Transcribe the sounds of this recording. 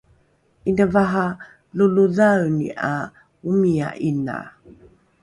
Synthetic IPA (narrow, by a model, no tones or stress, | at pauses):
indavaɦa | luluðawnḭʔa | umia̰ʔina̰